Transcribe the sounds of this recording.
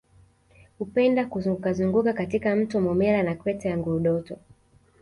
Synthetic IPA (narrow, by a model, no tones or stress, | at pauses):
hupɛndakukazuŋɡukakatikam̩tɔmɔmɛlanakwɛtɛjaŋɡuɾuɗɔtɔ